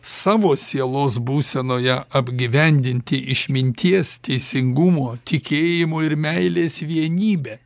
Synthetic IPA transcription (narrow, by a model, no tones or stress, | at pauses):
sɑːʋoːsʲiɛlˠoːsbuːsʲɛnoːjɛɐbʲɡʲiʋʲɛnʲd̪ʲɪnʲt̪ʲɪʔɪʃʲmʲɪnʲt̪ʲiɛst̪ʲɛɪsʲɪŋɡʊmoːt̪ʲɪkʲeːjɪmoːɪɾmʲæɪlʲeːsʋʲiɛnʲiːbʲɛ